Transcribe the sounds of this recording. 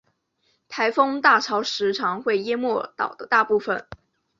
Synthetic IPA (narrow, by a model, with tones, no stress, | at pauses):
t̪ʰa˧˥ɪfɤ˥ŋt̪a˥˩ʈ͡ʂʰɑ˧˥ʊʂɻ̩˧˥ʈ͡ʂʰɑ˨˥ŋxwe˥˩ɪjɛ˥mwɔ˥˩t̪ɑ̰˨˩ʊd̪ə˦t̪a˥˧pu˥˩fə˨˩n